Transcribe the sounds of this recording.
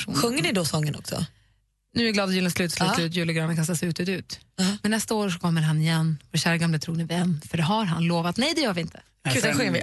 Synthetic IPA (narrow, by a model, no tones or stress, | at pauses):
ʂṵːɧɵŋːəɳɪd̪ɔsɔŋːənɔ̰ksɔ̰ | nʉɛɾɡlɑːd̪ɔjʉːlənslʉ̟ːt̪slʉːʉːt̪̬jʉːləɡɾɑːnəkʰanst̪asɛʉt̪ʉːt̪ʉ̟ːt̪mɛnːɛst̪aoːɾʂɔkʰɔmːəɾɦanːɪjɛnːɔɕæːɾaɡamlət̪ʰɾuːɡnɪvɪɛnːfœɖɛɦaɾɦanloːvat̪nɛjd̪ɛjœːɾvɪɪnt̪ʰə̥ | ɛɧɵŋːɪ